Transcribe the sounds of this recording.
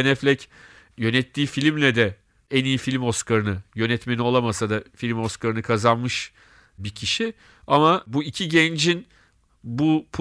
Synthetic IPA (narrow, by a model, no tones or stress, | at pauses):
nɛflʲɛc | jø̞nɛt̪ʰːiːfilʲmlʲɛd̪ɛ | ænijifilʲmo̞skʰaɾɯnɯjø̞nɛt̪me̞nio̞lˠamasad̪afilʲmo̞skaɾɯnɯkʰazanmɯʃ | bicʰiʃi | amabuicʰiɟɛnd͡ʒin | bupʰ